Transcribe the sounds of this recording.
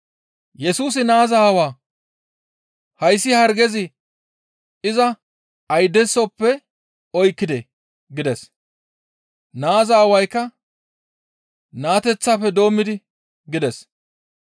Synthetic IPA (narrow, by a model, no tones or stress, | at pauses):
jɛsuːs̬ɪnaːzaːhɐwaː | hɐjsːɪhɐɾɡɛzɪ | ɪzɐ | ɐjd̪ɛsːɔpːɛ | ɔjkːɪd̪ɛ | ɡɪd̪ɛs | naːzaːhɐwɐjkːɐ | naːt̪ɛt͡sːaːpːɛd̪o̞ːmːɪd̪ɪ | ɡɪd̪ɛs